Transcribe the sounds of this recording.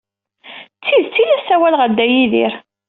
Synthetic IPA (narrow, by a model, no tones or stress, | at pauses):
t͡st͡sːiðt͡sːilæsæwælʁæd̪ːæjiðḭɾ